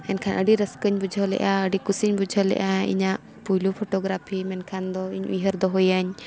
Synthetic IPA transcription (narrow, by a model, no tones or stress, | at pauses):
ɛnkʰanʔəɖiɾəskəɲbud͡ʒʱəlɛ̰ʔaəɖikusiɲbud͡ʒʱəlɛ̰ʔaḭɲaʔ | pujlupʰɔʈɔɡɾapʰimɛnkʰand̪ɔiɲʔujɦəɾd̪ɔɦujaɲ